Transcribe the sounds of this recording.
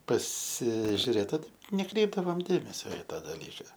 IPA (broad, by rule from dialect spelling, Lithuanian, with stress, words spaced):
pɐsʲɪʒʲʊˈrʲeːt ˈoːt nʲɛˈkrʲɛɪbdɐʋoːm ˈdʲeːmʲɛsʲoː ɪ ˈtɐ dɐˈlʲiːkɐ